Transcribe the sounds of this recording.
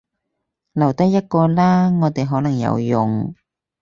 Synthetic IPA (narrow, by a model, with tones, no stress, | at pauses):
lɐ˨˩wt̪ɐ˥jɐ˥t̚kɔː˧laː˥ŋɔː˨˧t̪e˨jɦɔː˨˥nɐ˨˩ŋjɐ̰˨˧wjʊ˨ŋ